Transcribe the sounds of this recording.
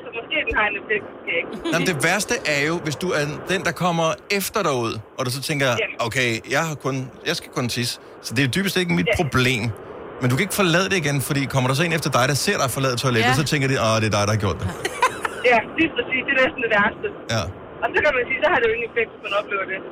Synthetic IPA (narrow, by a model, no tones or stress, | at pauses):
sɒmɒsɡ̥e̝̰ːd̥enhɑ̈enefeɡ̥̚d̥uskʰeɡ̥nmənd̥e̝ʋæɐsd̥əʔæɐjo̝ʋe̝sd̥uæɐd̥end̥ɑ̈kʰɒ̽m̰ɐefd̥ɐɾɑɪuð̞̰ˠɒ̽d̥us̬ɒ̽t͡sʰeŋɡ̥ɐjɑokʰeɪjɑɪhɑ̈kʰɔ̽njɑ̈ɪsɡ̥æ̥kʰɔ̽nt͡sʰis | sɒ̽d̥e̝d̥yːb̥əsd̥eɡ̥əmid̥̚pʰʁo̝b̥le̝̰ːmmendukʰæeɡ̥fɒ̽lɛð̞̰ˠəɾ̥e̝iɡenfɒ̽ɾḭːkʰɒ̽m̰ɐɾ̥ɑsɒ̽e̝nefd̥ɐd̥ɑ̈ɪɾ̥ɑ̈se̝ɐ̰ɾ̥ɑ̈fɒ̽lɛ̰ðˠt͡sʰɒleb̥sɒ̽t͡sʰeŋ̰ɡ̥ɐdiʔɒɾ̥eɐd̥ɑ̈ɪɾɑhɑ̈ɡ̥jo̰ɐ̰d̥e | jælispʰʁɛsḭːsd̥e̝nesn̩d̥e̝ʋæɐsd̥əjæ | ɒsɒkæmænsiːsɒhɑ̈ɾejoe̝ŋ̩efeɡ̥̚d̥kʰmon̩ɒ̽b̥le̝ːʊɐd̥e̝